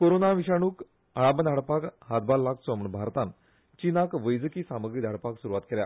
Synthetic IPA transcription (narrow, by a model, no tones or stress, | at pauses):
koɾonaʋiɕaɽ̃uːk | aɭabəd̪ʱaɽpakɦat̪̚balːaksɔməɳbʱaɾt̪ãn | t͡ɕinakʋəjd͡zəkiːsaməɡɾid̪ʱaɽpaksuɾuʋat̪̚kelja̰